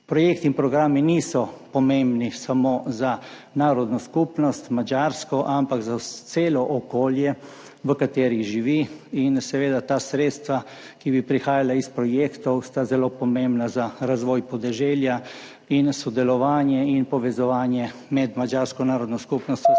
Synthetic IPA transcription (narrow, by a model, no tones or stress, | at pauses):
pɾɔjeːkt̪iinpɾɔɡɾaːminisɔpɔmẽmbnisamoza | naːɾɔd̪nɔskupnɔst̪mad͡ʒaɾskɔʔampakzat̪seːlɔʔɔkoːljɛ | ʋəkat̪eːɾiʒiʋiinsɛʋeːd̪at̪aːsɾeːt̪st̪ʋa | kibipɾixaːjalaispɾɔjeːkt̪ɔwst̪azɛloːpɔmẽmbnazaɾazʋɔːjpɔd̪ɛʒɛːlja | insɔd̪ɛlɔʋaːnjɛinpɔʋɛzɔʋaːnjɛmɛd̪mad͡ʒaːɾskɔnaːɾɔd̪nɔskupnɔst̪